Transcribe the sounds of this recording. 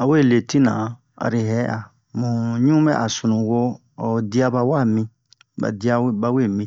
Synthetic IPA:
a˨we˦˨le˨ti˦nã˨ | a̰˨ɾi˨ɦɛ˦ʔa˨ | mũ˨ɲũ˦mɛ˦ʔa˨su˨nũ˨ɡo˦˨ | di˦a˦ba˧wa˦˨mĩ˧ | ba̰˨di˦a˦ba˦we˦˨mĩ˨

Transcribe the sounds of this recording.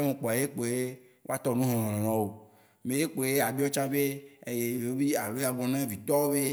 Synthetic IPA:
a˦mẽ˨k͡pɔ˨a˨je˦k͡po˨je˦ | wo˦a˦t̪ɔ˦nũ˦ɦɔ̃˨ɦɔ̃˨lɔ̃˨nɔ̃˨wo˨ | me˨je˦k͡po˨je˦a˨bi˦ɔ˦t͡ʃã˦be˦e˦˨je˨wo˦bi˦a˨lo˦ja˨ɡ͡bɔ̃˨nã˦vi˨t̪ɔ˦wo˦be˦

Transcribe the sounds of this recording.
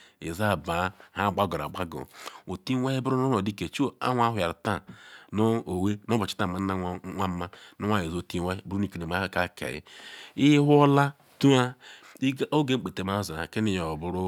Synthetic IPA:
ḭ˨za˦˨ba˨˦ha˦˨ɡ͡ba˦ɡo˨ɾa̰˨ɡ͡ba˦ɡo̰˨o˨ti˦we˦hi˦bu˦ɾu˦no˦no˨di˦ke˨t͡ʃu˦a̰˦wʷa˦ɦʷʊ˨ja˨ɾta˦no˦o˨we˦no˦bo˨t͡ʃi̥˦ta˦˨ma˨n˦na˦ŋʷa˦ma˦no˦wa˦ji˨zo˨ti˦wa˦bu˦ɾu˦i˨ki˨e˨m˨a˦ha˦ka˦˨kʰḛ˨jḭ˦i˦ɦu˦o˦la˦ | tu˦a˦˨ | o˦ɡe˦k͡pe˨te˨ma˦˨za˨a̰˨ke˦ni˨jo˨bʊ˦ɾʊ˦

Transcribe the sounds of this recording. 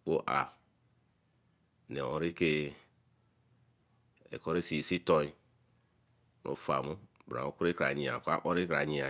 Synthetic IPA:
o˦ʔa̰˨ | nḛ˨õ˨ɾi˦ke˦ | ḛ˨kɔ˦ɾe˦si˨si˦to˦i˦˨ | no̰˨fa̰˨mu˦bɾa̰˨o˦ku˦ɾe˦kɾa˨ɲi˨a̰˨kʷa̰˦ʔo˦ɾi˦kɾa˨ɲi˨a˨

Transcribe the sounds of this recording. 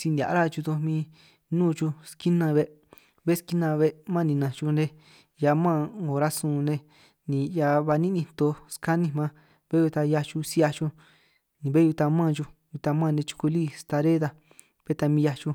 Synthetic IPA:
si˧nd̪ʲa̰˨ʔɾa˦t͡ʃu˧d̪o˧mĩ˧ | nũː˦˧t͡ʃu˧ski˦nã˧βe˧ | βe˦ski˦nã˧βe˧mã˦˧nĩ˧nã˨t͡ʃu˧nẽ˧ | ja˧mã˦˨o˨ɾa˦sũː˧˨nẽ˧ | nĩ˨ja˧βa˧nĩ˦nĩ˧t̪o˧ska˦nĩ˧mã˦ | βe˦ju˧t̪a˧ja˧t͡ʃu˧si˦a˧t͡ʃu˧ | nĩ˨βe˦u˧t̪a˧mã˦˨t͡ʃu˧ju˧t̪a˧mãː˦˧˨nẽ˧t͡ʃu̥˧ku˧liː˦st̪a˧ɾe˦ða˧ | β̥e˦t̪a˧mĩ˧ja˧t͡ʃu˧

